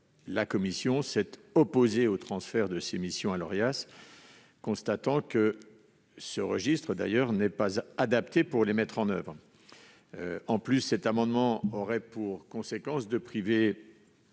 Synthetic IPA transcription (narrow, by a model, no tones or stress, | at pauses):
lakɔmisjɔ̃sɛt̪ɔpozeot̪χɑ̃sfɛʁd̪əsemisjɔ̃alɔʁjas | kɔ̃st̪at̪ɑ̃kə | səʁəʒist̪χəd̪a̰jœʁnɛpazad̪apt̪epuʁlemɛt̪χɑ̃nœ̰vʁ | ɑ̃plysːɛt̪amɑ̃d̪mɑ̃ɔʁɛpuʁkɔ̃sekɑ̃sd̪əpχive